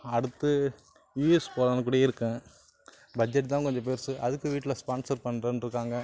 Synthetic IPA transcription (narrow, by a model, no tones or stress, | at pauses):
ɐɽɯt̪ːɯ | jiːspoːɾanɐk̬ːuːɽɐɪɾɯkːɐ̃ | bɐd͡ʒɛʈ̬ːt̪ãːkɔɲd͡ʒɔ̃peːɾsɯʔɐðɯkːɯʋiːʈːɪlɐspaːnsɐɾpɐɳːɾɐnɾɯkːaːŋɡɐ